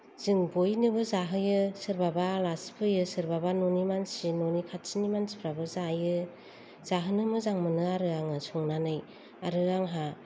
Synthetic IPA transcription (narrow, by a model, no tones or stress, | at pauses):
z̥ɯŋbojnɯbɯzaɦɯjɯsɯɾbabalaspʰɯjɯsɯɾbabanonimansinonikʰat̚sinimansi̥pʰɾabɯzajɯ | z̥aɦɯnɯmɯzaŋmɯnɯaɾɯaŋɯsɔŋnanɯj | aɾɯaŋɦa